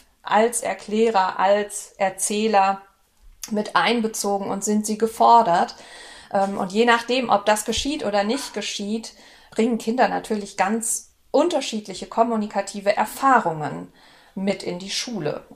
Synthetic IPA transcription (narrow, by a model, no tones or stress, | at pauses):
ʔa̰lsʔɛ̰ɐkʰl̥ɛːʁɐʔalsʔɛɐt͡sɛːlɐ | mɪtʔaɪnbət͡soːɡŋ̩ʊ̰ntz̥ɪntz̥iːɡəfɔɐdɐtʔɛːmʔʊ̰ntjeːnaχd̥eːmʔɔ̰p̚d̥asɡ̥əʃiːtʔoːdɐnɪçtɡ̥əʃiːt | b̥ʁɪŋən̩kʰɪndɐna̰tʰyːɐlɪçɡ̥ant͡s | ʔʊntɐʃiːtlɪçəkʰɔmunikʰatʰiːvəʔɛɐfaːʁʊŋən | mɪtʔɪndiːʃuːlə̰